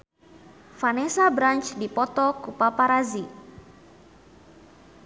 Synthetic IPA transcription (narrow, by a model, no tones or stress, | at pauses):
fanɛsabɾant͡ʃdipɔt̪ɔkupapaɾazi